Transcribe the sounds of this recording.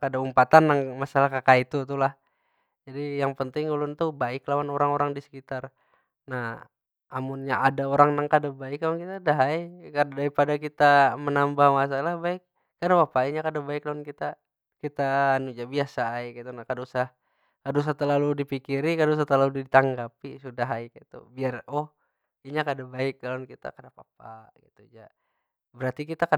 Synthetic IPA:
kadaumpat̪anːaŋmasalahkakait̪ut̪ulah | d͡ʒadijaŋpənt̪ɪŋulʊnt̪ubaɪklawanoɾaŋoɾaŋdisə̥kit̪ar | nah | amunɲaʔadaoɾaŋnaŋkadabaɪklawankit̪adaɦajkadaɾipadakit̪amənambahmas̬alahbaɪk̚ː | adapapaiɲakadabaɪklaunkit̪a | kit̪aːnud͡ʒabiasaaikait̪unakadausah | kadaus̬aht̪əlaludipikiɾikadaus̬at̪ərlaludit̪aŋɡapisudaɦaikait̪ṵbiarɔh | iɲakadabaɪk̚ːlaɔnkit̪a̰kadapap̚aɡḭt̪ud͡ʒa | bəɾart̪ikit̪aka

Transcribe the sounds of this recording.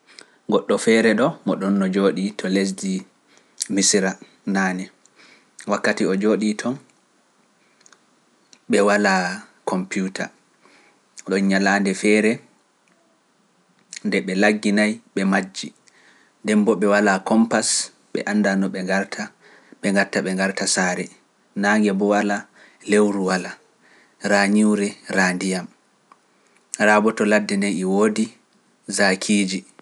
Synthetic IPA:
ɡɔɗːɔfɛɾɛɗɔmɔɗɔnːɔd͡ʒoːɗitʰɔles̬di | misɾa | naːnɛ | wakːatiɔd͡ʒoːɗitʰɔn | ɓɛwala | kʰɔmpjutʰa̰ | ɗɔnɲalaːndɛfɛɾɛ | ndɛɓɛlaɡːinajɓɛmad͡ʒːi | ndɛmbɔɓɛwalakɔmpas | ɓɛ̰ʔanːdanɔɓɛaɾtʰa | ɓɛŋɡaɾtaɓɛŋɡaɾtasaːɾɛ | naːŋɡɛbɔwala | lewɾuwala | ɾaɲuwɾɛɾaːndijam | rabɔtɔladːɛnɛjɛwoːdi | zakʰiːd͡ʒi

